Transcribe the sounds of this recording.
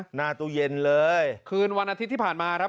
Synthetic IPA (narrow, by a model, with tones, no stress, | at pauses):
naː˧t̪uː˧je˧nlɤː˧jjkʰɯː˧nwa˧nʔaː˧t̪ʰi˦˥t̪ːʰiː˥˩pʰaː˨˩nmaː˧kʰɾa˦˥